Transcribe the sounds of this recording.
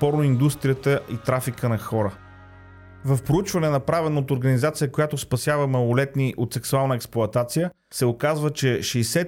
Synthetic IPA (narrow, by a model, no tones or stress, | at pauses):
pɔɾnoind̪ust̪ɾijət̪əʔit̪ɾafikənɐxɔɾə | vəfpɾout͡ʃvɐnɛnɐpɾavɛnot̪oɾɡənizat̪sijəkojat̪ʊspɐsʲjavəmɐlˠolɛt̪niʔot̪sɛksualˠnəɛksplˠʊɐt̪at̪sijə | sɛokazvət͡ʃɛʃɛːsɛ